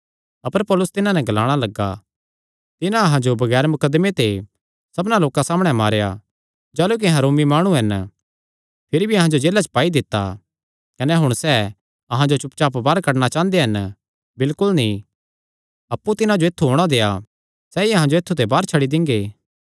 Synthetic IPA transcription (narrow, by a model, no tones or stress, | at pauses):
ɐpəɾpɔːlʊst̪ɪnãnɛɡɐlaːɽ̃alɐɡːa̰ | t̪ɪnãɐɦãd͡ʒobɐɡɛːɾmʊkəd̪ːmet̪e | sɐbnaloːkãsaːmɽ̃ɛmaːɾeja̰ | d͡ʒaːluk̬iɦɐɾoːmimaːɽ̃ũɦɐn | pʰɪɾibʱiɐɦãd͡ʒod͡ʒeːlat͡ʃpaːid̪ɪt̪ːa̰ | kɐnɛɦʊɽ̃sɛː | ɐɦãd͡ʒot͡ʃʊpt͡ʃaːpbaːɾkɐɽɽ̃at͡ʃãːnd̪eɦɐn | bɪlkʊlnĩ | ɐpːut̪ɪnãd͡ʒoet̪ʰːuɦoːɽ̃ad̪eːa | sɛiɐɦãd͡ʒoet̪ʰːut̪ebaːɾt͡ʃʰɐɽid̪ɪ̃ŋɡeː